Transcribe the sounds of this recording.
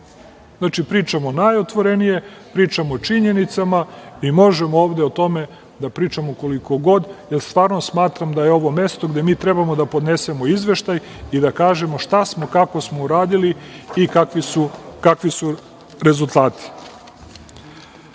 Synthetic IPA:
znaːt͡ʃipɾiːt͡ʃamo̞najo̞t̪ʋo̞ɾe̞nije̞pɾiːt͡ʃamoːt͡ʃiɲe̞nit̪samaimo̞ʒemooːʋd̪eot̪o̞me̞ | d̪apɾiːt͡ʃamoko̞liko̞ɡo̞d̪jeɾst̪ʋaːɾno̞smaːt̪ɾamd̪ajeo̞ʋo̞me̞st̪o̞ɡd̪e̞miːt̪ɾebamo̞d̪apo̞d̪ne̞se̞mo̞izʋe̞ʃt̪aj | id̪akaːʒe̞mo̞ʃt̪asmo̞kako̞smouɾaːd̪iliikakʋiukakʋisu | ɾe̞zulˠt̪aːt̪i̥

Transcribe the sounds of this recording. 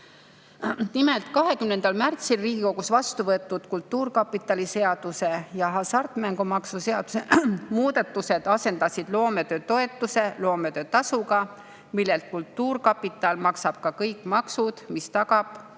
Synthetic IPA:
nimelt̪ˑkɑɦe̞kymne̞nd̪ɑlmært̪silriːɡ̥iko̞ɡ̥usvɑst̪uvɤet̪ˑːud̪̥kult̪ːuːrkɑpːˑit̪ːˑɑlise̞ɑd̪̥use̞jɑɦɑsɑrt̪ːˑmæŋɡumɑksuse̞ɑd̪̥usemuːd̪ɑt̪ːˑuse̞d̪̥ɑse̞nd̪̥ɑsid̪̥lo̞ːme̞t̪øːt̪o̞e̞t̪ˑːuse̞lo̞ːmet̪ø̞ːt̪ɑsuɡɑ | milːelt̪̚kult̪ːuːrkɑpːˑit̪ːˑɑlmɑksɑb̥kɑkɤjkmɑksud̪̥mist̪ɑkɑb̥

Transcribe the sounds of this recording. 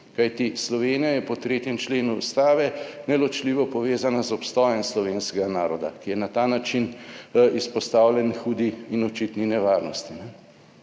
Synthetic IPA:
kajt̪islɔʋeːnijajɛpɔt̪ɾeːt̪jɛmt͡ʃleːnṵːst̪aːʋɛnɛlɔt͡ʃliːʋɔpɔʋeːzanazɔpst̪ɔjɛmslɔʋeːnskɛɡanaːɾɔd̪a̰kijɛnat̪aːnat͡ʃinispɔst̪aːwlʲjɛnxuːd̪iːnɔt͡ʃit̪ninɛʋaːɾnɔst̪inɛ

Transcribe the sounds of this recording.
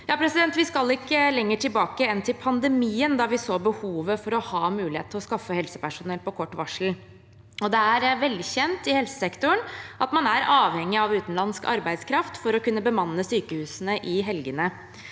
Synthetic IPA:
jɑːpʰɾɛsɪd̪ɛnt̪ʋɪskɑlɪkːəlɛŋːəʈʰɪlbɑːkəɛnːt̪ʰɪlpʰɑnd̪əmiːənd̪ɑʋɪsoːbəhuːʋəfɔɾɔhɑːmʉːlɪhḛːt̪ʰɪɔskɑfːəhɛlsəpæʂʊnɛlpɔkʰɔʈːʋɑʂl̩ | ɔd̪ɛæɾʋɛld̪ɪçɛnt̪ɪhɛlsə̥sɛkt̪ʊəɳʔɑt̪mɑnæɾɑːʋhɛŋːɪɑʋʉːt̪nlɑnskɑ̰ɾbæɪd̪skʰɾɑft̪fɔɾɔkʉnːəbəmɑnːəsyːkəhʉːsənəʔɪɦɛlɡənə

